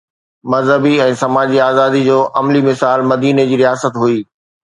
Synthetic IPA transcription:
mɐzɦəbiɛ̃ːsɐmaːd͡ʑiaːzaːd̪id͡ʑoːʔɐmlimɪsaːlmɐd̪iːned͡ʑiːɾijaːsət̪ɦuiː

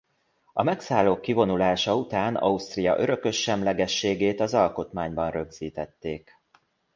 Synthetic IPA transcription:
ɒ̰mɛksaːlːoːkːivo̞nulaːʃɒut̪aːnɒ̰ust̪rijɒ̰ʔøɾø̞kø̞ʃːɛmlɛɡɛʃːeːɡeːt̪ɒzɒlko̞t̪maːɲbɒnrø̞ɡz̥iːt̪ɛt̪ːeːk

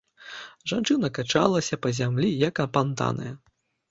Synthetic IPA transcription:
ʐant͡ʂɨnɐkat͡ʂa̰lˠɐsʲɐpɐzʲamlʲijɐkɐpant̪a̰nɐ̰jɐ

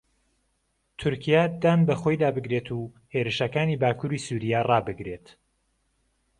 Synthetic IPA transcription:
t̪ʰʊɾkʰijad̪aːnbɐxo̞jd̪aːbɨɡɾet̪ʰuː | heɾɨʃɐkaːniːbaːkʰuːɾiːsuɾijarɑːbɨɡɾe̞t̪

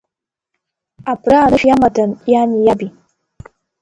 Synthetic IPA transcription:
apɾaːɾɨʃjamatanjanijabi

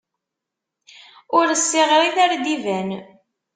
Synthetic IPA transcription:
ʊɾəsːɪʁɾiðæɾd̪ivæn

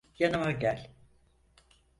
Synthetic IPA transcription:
janɯmaɟælʲ

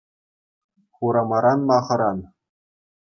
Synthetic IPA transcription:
χuɾɑmɑɾɑnmɑχɤ̆ɾɑn

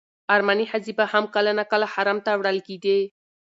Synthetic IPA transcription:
aɾmanihazibahamkalanakəlahaɾamt̪awɽəlked̪e

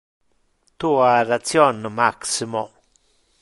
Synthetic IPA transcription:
t̪uarat͡sjonːomaksimo

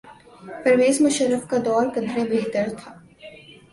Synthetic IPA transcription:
pɾɐʋeːsmʊʃəɾːəfkad̪ɔːɾkɐ̃nd̪ɾebeɦt̪əɾt̪ʰaː

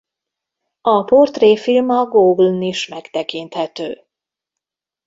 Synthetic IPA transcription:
ɒport̪reːfilmɒɡoːɡlniʃmɛkt̪ɛkint̪hɛt̪øː

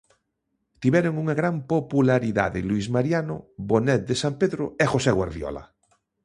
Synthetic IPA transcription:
t̪iβɛɾoŋuŋaɣɾampopulaɾiða̰ðeluizmaɾjano̰bonɛt̪̚d̪esampeðɾoexoseɣwa̰ɾðjɔ̰la̰

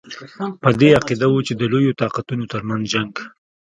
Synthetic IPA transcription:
pəd̪eaqid̪awot͡ʃed̪əlojot̪ɑqat̪unot̪əɾmanzd͡ʒaŋɡ

